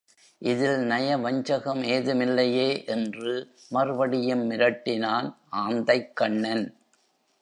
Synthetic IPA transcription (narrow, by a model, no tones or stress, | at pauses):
ʔɪðɪlnɐjɐʋɐɲd͡ʒɐɣɐmeːðɯmɪlːɐjeːʔɛndrɯ | mɐrɯʋɐɽɪjɐmːɪɾɐʈːɪnaːnʔaːnd̪ɐɪkːɐɳːɐn